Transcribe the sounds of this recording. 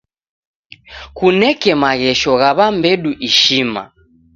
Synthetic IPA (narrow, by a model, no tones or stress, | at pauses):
kunɛkɛmaɣɛʃɔɣaβambɛɗuʔiʃima̰